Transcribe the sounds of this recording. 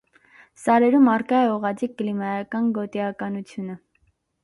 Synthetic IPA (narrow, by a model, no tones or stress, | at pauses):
sɑɾɛɾumɑrkɑɛɔʁɑd͡zik̚ːəlimɑjɑkɑnɡɔt̪iɑkɑnut͡sʰjunə